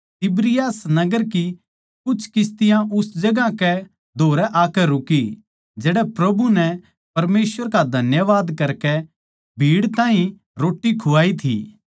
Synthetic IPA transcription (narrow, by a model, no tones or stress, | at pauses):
t̪ɪbɾɪjaːsnɐɡəɾki | kʊt͡ʃʰkɪst̪ɪjãʔʊsd͡ʒɐɡãkɛ | d̪ʱoːɾɛʔaːkɛɾʊki | d͡ʒɛːɽɛpɾɐbʱunɛ | pɐɾmeːsʋəɾkad̪ʱɐnjəʋaːd̪kɐɾkɛ | bʱiːɽt̪ãːɦĩ | ɾoːʈːikʰʊʋaːit̪ʰḭː